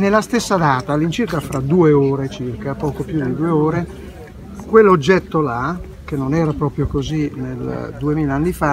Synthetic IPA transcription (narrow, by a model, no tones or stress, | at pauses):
nelːast̪esːad̪aːt̪alint͡ʃirkafɾad̪uːeoːɾet͡ʃirkapɔːkopjud̪id̪ueoːɾe | kwelːod͡ʒːɛt̪ːola | k̟enːonɛːɾapɾɔːpɾjokozineld̪uemiːlaanːifa